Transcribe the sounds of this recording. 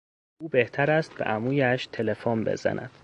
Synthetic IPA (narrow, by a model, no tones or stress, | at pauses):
uːbe̞ht̪ʰæɾæst̪̚beʔæmuːjæʃt̪ʰe̞lefɔmbḛz̥æ̰nʔæ̰d̪̥